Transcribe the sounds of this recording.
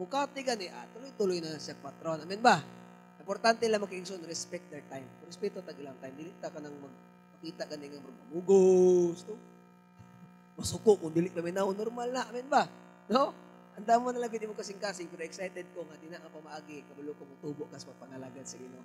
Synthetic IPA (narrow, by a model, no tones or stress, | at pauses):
mʊkaːt̪ɪɡanɛʔa̰t̪ʊlojt̪ʊlojnɐsaŋpat̪ɾonʔɐmɛnba | ʔɪmpoɾt̪ant̪ɛlaŋmɐkɪʔɪksonɾɛspɛk̚t̪̚d̪ɛɹt̪ajmɾɛspɛt̪ot̪aɡɪlaŋt̪ajmd̪ɪlɪʔ̚t̪akanɐŋmɐɡ̚ | pɐkiːt̪aʔkɐnɛŋɐmɐɡ̚mɐmuɡost̪o | mɐsʊkoʔkʊŋd̪ɪlɪʔpaɐmɪnaʊnːoɾmalnɐʔamɛnba | no | ʔɐnd̪aːmanɐlaŋɡɪd̪ɪmʊkɐsɪŋkaːsɪŋpɛɾoɛksajt̪ɛd̪̚koŋad̪ɪnaʔɐpɐmɐʔaːɡɪkɐbalʊkomɐt̪uːboʔkasmɐɡ̚pɐŋɐlaɡansɐɡɪno